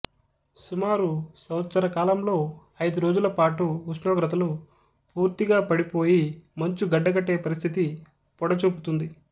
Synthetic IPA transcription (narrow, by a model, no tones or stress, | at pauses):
sumaːɾusɐwɐt̪sɐɾɐkaːlɐmlo̞ː | ɐjd̪uɾo̞ːd͡ʒulɐpaːʈuːʂɳoːɡɾɐt̪ɐlu | puːɾt̪iɡaːpɐɽipoːjimɐɲt͡ʃuɡɐɖːɐɡɐʈːe̞ːpɐɾist̪ʰit̪i | pɔɽɐt͡ʃuːput̪und̪i